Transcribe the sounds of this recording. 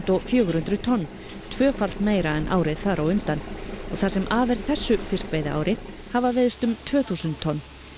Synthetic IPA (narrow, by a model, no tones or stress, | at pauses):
t̪ɔɣfjœːɣʏɾhʏnt̪ɾʏt̪ʰɔnː | t̪ʰv̥œːfal̥t̪meːjɾaɛnʔa̰ːwɾɪðθaɾawʏmt̪anɔɣθasɛmʔaːvɛɾð̥θɛsːʏfɪskvejðaa̰ːwɾʔɪ | havavɛðʏst̪ʏmt̪ʰvœːθusʏnt̪ʰːɔnː